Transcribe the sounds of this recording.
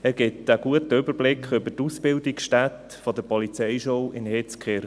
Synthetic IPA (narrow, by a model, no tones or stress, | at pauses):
ɛɾɡɪtəɡ̥uətəʏbəɾblɪkχʏbətusbɪldɪksʃtæt | fɔd̪əɾpɔlit͡sɛɪʃoʊɪnhet͡skχeɾ